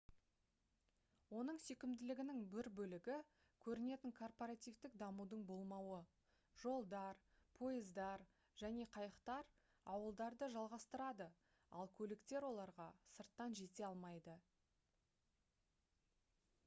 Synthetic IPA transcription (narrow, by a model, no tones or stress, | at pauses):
wo̞nəɴsɵkʲɪmd̪ɪlɪɡʲɪnɪŋbɪɾbɵlɪɡʲɪ | kʲʰɵɾɪne̞t̪ɪŋkʰo̞rpoɾat̪ijvt̪ɪkd̪ɑmud̪əɴbolˠmɑwə | ʒo̞lˠd̪ɑɾ | pʰo̞ɪzd̪ɑɾ | ʒ̥æne̞qʰɑjəqt̪ɑɾ | ɑwəlˠd̪ɑɾd̪əʒɑlˠʁɑst̪əɾɑd̪ə | ɑ̰lˠkʲʰɵlɪkt̪e̞ɾwo̞lˠɑɾʁɑsəɾt̪ːɑnʒe̞t̪e̞ɑlˠmɑjd̪ə